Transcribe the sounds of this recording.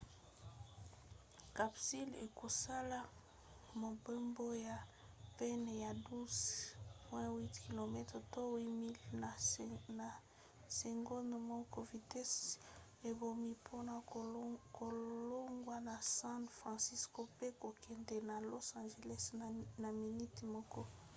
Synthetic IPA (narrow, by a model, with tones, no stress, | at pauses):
ka˨psi˦lḛ˨ko˨sa˦la˦ | mo˨be˦mbo˦ja˨ | pɛ˦n˨ja˨du˦zpwɛ̃˦wi˦tki˨lo˨mɛ˦tʁɛ˨to˦wi˦mi˦l | na˨ | se˨ŋɡo˦n˨mɔ˦ko˦vi˨tɛ˦s | e˨bo˨mi˦pʰo˦na˨ko˨lo˦ŋɡwa˦na˨sã˦nfʁɑ̃˨si˦sko˦pe˦ko˨kɛ˨nde˨na˨lo˦sã˨nʒe˨lɛ˦sna˨mi˨ni˦ti˨mɔ˦kɔ˦